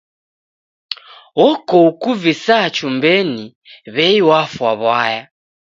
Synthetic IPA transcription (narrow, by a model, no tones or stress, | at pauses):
wɔkɔukuvisaːt͡ʃumbɛni | βɛiwafwaβwaja